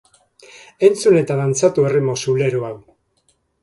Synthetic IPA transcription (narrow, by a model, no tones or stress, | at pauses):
e̞nt͡sune̞t̪aðant͡sat̪uerimo̞sule̞ɾoaw